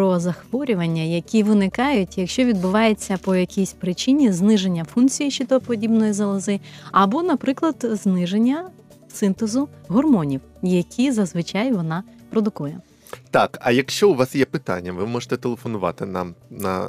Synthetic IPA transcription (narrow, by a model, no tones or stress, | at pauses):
pɾɔzɐxʋɔɾʲʊʋɐnʲːɐjɐkʲiʋɪnɪkɑjʊʊtʲjɐkʃt͡ʃɔʋʲid̪̚bʊʋɑjet͡sʲːɐpɔjɐkʲisʲpɾɪt͡ʃinʲiznɪʒe̞nʲːɐfunt͡sʲijiʃit̪ɔpɔdʲibnɔjizɐlˠɐzɪɐbɔnɐpɾɪklˠɐd̪znɪʒenʲːɐ | sɪnt̪ezʊɦɔrmɔnʲiw | jɐkʲʰizɐzʋɪt͡ʃɑjʋɔnɑpɾɔd̪ʊkujɛ | t̪ɑkɐ̰jɐkʃt͡ʃɔʊʋɑsjɛpɪt̪a̰nʲːɐʋɪmɔʐɪ̥t̪ɛt̪elˠefɔnʊʋɑ̰t̪ɪnɐ̰mnɐ̰